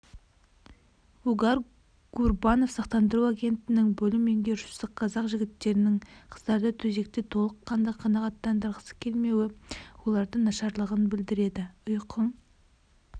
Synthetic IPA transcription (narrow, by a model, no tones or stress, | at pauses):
uɡɑɾ | ɡ̥urbɑno̞fsɑqt̪ɑnd̪əɾuaɡʲe̞nt̪ːɪnɪŋbɵlɪme̞ŋɡʲe̞ʒʊ̥səqqʰːɑzɑqʒɪɡʲɪt̪ːe̞ɾɪnɪŋqʰə̥zd̪ɑɾd̪ɑt̪ʰɵze̞k̚t̪e̞t̪ʰo̞lˠəqʰːɑnd̪ɑqʰɑnɑʁɑt̪ːɑnd̪əɾʁəsə̥kʲʰe̞lme̞wɪwo̞lˠɑɾd̪ənɑʃɑɾlˠəʁənbɪld̪ɪɾe̞d̪ɪʊjqʰəŋ